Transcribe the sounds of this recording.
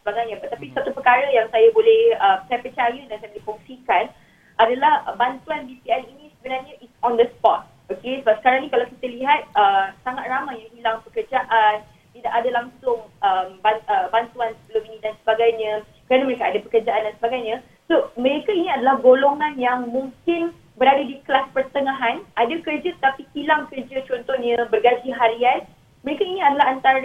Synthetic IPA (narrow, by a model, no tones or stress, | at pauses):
səbaɡajɲãpat̪apisat̪upəkaɾəjaŋsajabolɛhəmsajapət͡ʃajədansajəlifɔŋsikan | ʔadalahbant̪uanbipianinĩsəbənarɲãʔisɔ̃nd̪əspɔt̪̚ | okesəbap̚sə̥kaɾaŋnĩkalawkit̪əliɦat̪̚əmsaŋat̪̚ramajjaŋɦilaŋpəkərd͡ʒaʔan | t̪idaʔadalaŋsʊŋəmbaəbant̪uansəbəluminĩdansəbaɡajɲə̃ | kəɾanaməɾekaʔadapəkərd͡ʒaʔandansəbaɡajɲã | soməɾekainĩadalahɡoloŋãnjaŋmũŋkɪn | bəɾadadiklaspərt̪əŋãɦanadakərd͡ʒat̪ət̪apihilaŋkərd͡ʒat͡ʃɔnt̪ɔhɲə̃bərɡad͡ʒiɦaɾian̚ | məɾekainĩadalaɦant̪aɾ